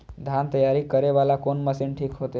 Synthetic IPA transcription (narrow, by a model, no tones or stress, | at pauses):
d̪ʱant̪əjaɾikəɾeʋalakonməsinʈʰikɦot̪e